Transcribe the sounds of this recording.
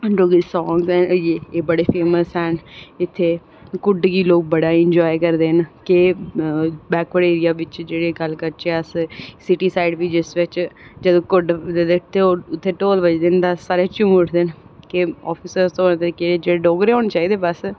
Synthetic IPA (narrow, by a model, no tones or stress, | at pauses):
ɖoːɡisɔːŋɡzɛːnd͡ʒeːeːbəɽeːpʰeːməsɛːnɪt̪ʰːeː | kʊɖɡiːloːk̚bəɽaːɪɲd͡ʒɔːjkəɾd̪eːnkɪ | bɛːkʋəɽeːɾɪjaːʋɪt͡ʃd͡ʒeːɽeːɡəlkəɾt͡ʃeəssɪʈiːsaːɪɖʋiːd͡ʒɪsʋɪt͡ʃd͡ʒəd̪õːkʊɖd̪eːd̪eʈt̪ʰːeoːʊt̪ʰːeːʈoːlʋəd͡ʒd̪end̪aːsaːɾeːt͡ʃʊ̃mʊʈʰd̪eːnkɪɔːpʰɪsəɾst̪õoːneːt̪əɾiːkeed͡ʒeːɽeɖoːɡɾeːɦoːnt͡ʃaːiːd̪eːbəs